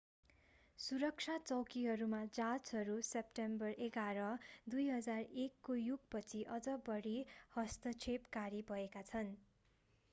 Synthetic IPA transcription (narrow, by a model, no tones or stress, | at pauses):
suɾʌk̚t͡sʰat͡sʌwkiɦʌɾumad͡zat͡sɦʌɾusepʈembʌrʔeɡaɾʌd̪ujɦʌd͡zarekːojuɡpʌt͡sʰiʔʌd͡zʌbʌɽihʌst̪ʌt͡sʰepkaɾibʱʌekat͡sʰʌn